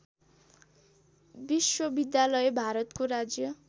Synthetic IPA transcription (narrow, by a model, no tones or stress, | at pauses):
biswʌbid̪jalʌjebʱaɾʌt̪koɾad͡zjʌ